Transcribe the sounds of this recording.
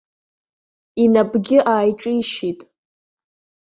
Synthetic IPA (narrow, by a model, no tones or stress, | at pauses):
inabɡʲɪʔaːjʈ͡ʂʼɨiʃitʼ